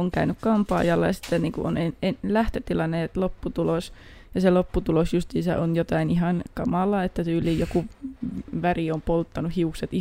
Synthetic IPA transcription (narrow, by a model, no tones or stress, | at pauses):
oŋkæynykkɑmpɑ̰ːjɑlːɑjɑsi̥t̪ːenniːŋkṵʔonenenlæht̪øt̪ilɑnːet̪lopːut̪ulos | jɑselopːut̪ulosjust̪iːsæ̰ʔonjot̪ɑinihɑnkɑmɑlːˑɑet̪ːæt̪yːlˑiːjjoku | ʋæriompolt̪ːɑnuhiukset̪i